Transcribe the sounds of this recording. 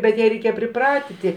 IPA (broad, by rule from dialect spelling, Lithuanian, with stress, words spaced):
bʲɛt ˈjæː rʲɛɪˈkʲeːjɛ pʲrʲɪˈprɑːtʲɪtʲɪ